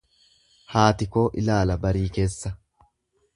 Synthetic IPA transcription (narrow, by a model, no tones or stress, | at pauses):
haːt̪ɪkoːʔɪ̰laːlɐbɐɾiːkeːsːɐ